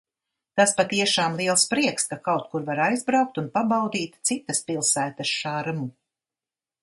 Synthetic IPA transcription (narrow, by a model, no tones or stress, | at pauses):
t̪aspat̪iɛʃaːmlˠiɛlˠspɾiɛkskakawt̪̚kuɾvaɾajzbɾawk̚t̪unpabawd̪iːt̪t̪sit̪ɐspilˠsæːt̪ɐʃʃaːɾmu